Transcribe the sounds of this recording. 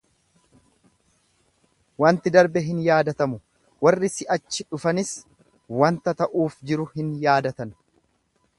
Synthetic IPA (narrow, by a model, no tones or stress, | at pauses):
wɐnt̪ɪd̪ɐɾbɛɦɪnjaːd̪ɐt̪ɐmʊ | wɐrːɪsɪʔɐt͡ʃːɪᶑʊfɐnɪs | wɐnt̪ɐt̪ɐʔuːfd͡ʒɪɾʊhɪnjaːd̪ɐt̪ɐn